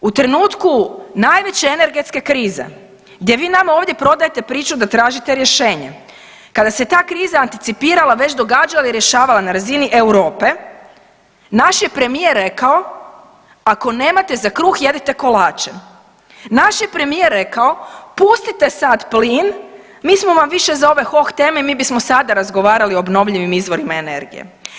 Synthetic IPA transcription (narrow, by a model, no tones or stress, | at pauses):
ut̪ɾe̞nuːt̪kunaːjʋe̞t͡ɕeene̞ɾɡet̪ske̞kɾiːzḛ | ɡd̪je̞ʋiːnamaoːʋd̪je̞pɾo̞d̪aje̞t̪e̞pɾiːt͡ʃud̪at̪ɾaːʒit̪eɾje̞ʃe̞ːɲḛ | kad̪ase̞t̪aːkɾiːzaːnt̪it̪sipiːɾalaʋe̞t͡ɕd̪o̞ɡaːd͡ʒalaiɾje̞ʃaːʋalanaɾaziniʔewɾo̞ːpe̞ | naʃjepɾe̞mijeɾːe̞kao̞ | ako̞ne̞ːmat̪e̞zakɾuːxje̞d̪it̪e̞ko̞laːt͡ʃe | naʃjepɾe̞mijeɾːe̞kao̞pust̪it̪e̞sad̪pliːn | miːsmo̞ʋamʋiʃezao̞ʋe̞xo̞xt̪e̞ːme̞miːbismosad̪aɾazɡo̞ʋaːɾalioːbno̞ʋʎiʋimizʋo̞ɾimaene̞̰ɾɡḭjḛ